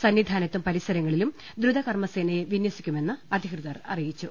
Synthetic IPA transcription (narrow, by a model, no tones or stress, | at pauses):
sɐnʋid̪ʱaːnɐt̪ːumpɐɾisɐɾɐŋːɐɭilum | d̪ɾud̪ɐkɐrmɐseːnɐjeʋinjɐsikʲːume̞nːɨɐd̪ʱikrɨðɐrɐ̰rijit͡ɕːu